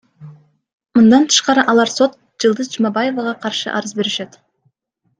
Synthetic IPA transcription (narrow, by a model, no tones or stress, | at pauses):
mɯnd̪ɑnt̪ʰɯ̥ʃqɑɾɯʔɑlˠɑɾso̞t̪̚ | d͡ʒɯlˠd̪ɯzd͡ʒumɑbɑje̞vɑʁɑqʰɑɾʃɯ̰ʔɑ̰ɾɯzbe̞ɾiʃet̪